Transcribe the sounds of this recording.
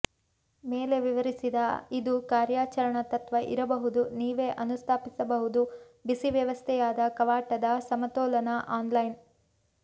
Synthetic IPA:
me̞ːle̞ʋiʋɐɾisid̪ɐid̪ukaːɾjaːt͡ʃɐɾɐɳɐt̪ɐt̪ʋɐʔḭɾɐbɐɦud̪uniːʋe̞ːʔɐnust̪ʰaːpisɐbɐɦud̪u | bisiʋjɐʋɐst̪ʰɛjaːd̪ɐkɐʋaːʈɐd̪ɐsɐmɐt̪ɔːlɐnɐʔaːnlɐjn

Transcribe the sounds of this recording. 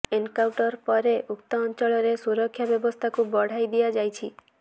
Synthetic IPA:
enkawʈɔɾpɔɾeʔuk̚t̪ɔːnt͡ʃɔɭɔɾesuɾɔkʰːjabjɔbɔst̪ʰakubɔɽ̤ajd̪iad͡ʒajt͡ʃʰi

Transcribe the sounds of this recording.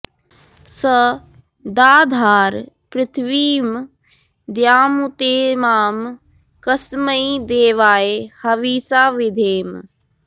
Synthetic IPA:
sə | d̪aːd̪ʱaːɾ | pɾɪt̪ʰʋiːm | d̪jaːmut̪eːmaːm | kɐsməid̪eːʋaːehɐʋiːsaːʋɪd̪ʱeːm

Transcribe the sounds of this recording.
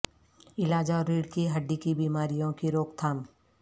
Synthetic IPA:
ɪlaːd͡ʒaɔːɾːiːɽkiɦɐɖːikibiːmaːɾijõkiɾoːkt̪ʰaːm

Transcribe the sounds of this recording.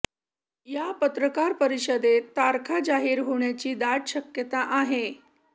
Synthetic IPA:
japət̪ɾəkaɾpəɾiɕəd̪et̪aɾkʰad͡ʑaɦiːɾɦoɳjat͡ɕiːd̪aʈɕəkjət̪aʔaɦe

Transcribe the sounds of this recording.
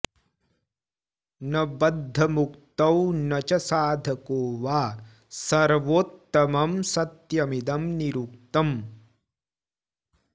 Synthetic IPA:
nɐbɐd̪ʱːɐmukt̪ɐwnɐt͡ʃɐsaːd̪ʱɐkoːʋaː | sɐɾʋoːt̪ːɐmɐmsɐt̪jɐmid̪ɐmniɾuk̚t̪ɐm

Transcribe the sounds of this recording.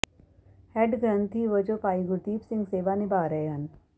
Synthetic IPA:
hɛɖɡɾənt̪ʰiʋəd͡ʒopaːiɡʊt̪iːpsɪ̃ŋɡseːʋaːnɪbaːɾəɦeɦɐn

